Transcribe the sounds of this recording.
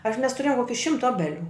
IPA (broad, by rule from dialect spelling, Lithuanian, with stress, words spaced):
ɐʃ mʲɛs tʊˈrʲeːjoːm ˈkoːkʲɪ ˈʃʲɪmtɐ ˈoːbʲɛˌlʲuː